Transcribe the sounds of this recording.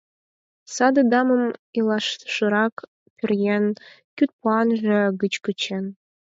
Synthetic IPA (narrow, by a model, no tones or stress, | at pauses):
sɑd̪ɤ̆d̪ɑmə̆milˠɑʃʃə̆ɾɑk | pʲyrjen | kʲyt̪̚puɑnʒĕɡət͡ɕkət͡ɕen